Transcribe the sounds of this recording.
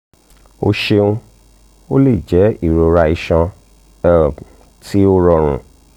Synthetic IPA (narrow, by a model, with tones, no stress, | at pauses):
o̰˧ʃe˧ũ˧ | o˦le˦˨d͡ʒɛ˨˦i˦˨ɾo˧ɾa˧i˧ʃã˧˦˨ | ti˦o˧ɾɔ˧ɾ̃ṵ̃˨